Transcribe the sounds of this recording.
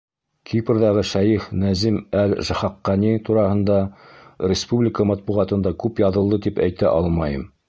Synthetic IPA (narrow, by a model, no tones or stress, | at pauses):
kʰipɘɾðɑʁɤʃæjifnæzimælʒæχɑqːɑnit̪uɾɑhɤ̆nd̪ɑɾʲɪspublʲɪkəmɑt̪̚buʁɑt̪ɤ̆nd̪ɑkʉpjɑðɤ̆lˠd̪ɤt̪ipæjt̪æʔɑlˠmɑjɤm